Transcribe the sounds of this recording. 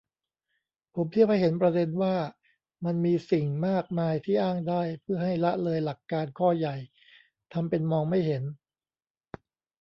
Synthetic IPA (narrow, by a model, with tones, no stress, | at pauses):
pʰo˩˦mt̪ʰi˥˩əp̚ha˥˩he˩˦npɾa˧de˧nwaː˥˩ | ma˧nmiː˧si˨˩ŋmaː˥˩k̚maː˧jt̪ʰiː˥˩ʔaː˥˩ŋdaː˥˩jpʰɯ˥˩ɐɦa˥˩jla˦˥ʔlɤː˧jla˨˩kːaː˧nkʰɔː˥˩ja˨˩j | t̪ʰa˧mpe˧nmɔː˧ŋma˥˩jɦe˩˦n